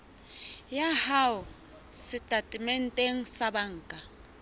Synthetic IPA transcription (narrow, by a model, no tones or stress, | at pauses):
jahaʊ | sɪtʼatʼɪmɛn̩tʼeŋ̩sabaŋ̩ːkʼa